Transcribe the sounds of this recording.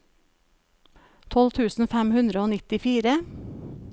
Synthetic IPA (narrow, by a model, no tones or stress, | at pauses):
t̪ʰɔlt̪ʰʉːsn̩fæmhʉnd̪ɾəoːnɪt̪ɪfiːɾə